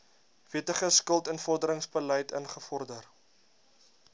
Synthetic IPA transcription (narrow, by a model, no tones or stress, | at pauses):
v̥iətəχəskəlˠtənfɔrdəɾəŋsbələjtə̰nχəfɔrdər